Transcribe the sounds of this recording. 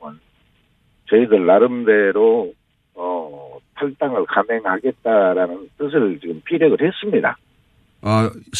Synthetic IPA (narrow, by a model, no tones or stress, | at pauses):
ɯn | t͡ɕʌiɡɯɭːaɾɯmde̞ɾo | ʌtʰaɭt͈aŋɯɭkane̞ŋɦhaɡe̞t̚t͈aɾanɯnt͈ɯs̬ʰɯɭt͡ɕiɡɯmpʰiɾjʌɡɯɭhe̞s͈ɯmɲida̰ | a